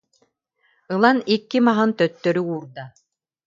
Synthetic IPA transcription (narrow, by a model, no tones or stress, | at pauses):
ɯlˠanikːimaɦɯnt̪œt̪ːœɾyuːɾd̪a